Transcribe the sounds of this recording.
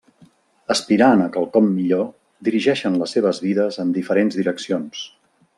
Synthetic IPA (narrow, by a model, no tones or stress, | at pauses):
əspiɾanəkəlˠkɔmːiʎo | d̪iɾiʒɛʃənləsːeβ̞əzβiðəzənd̪ifəɾenzðiɾəksions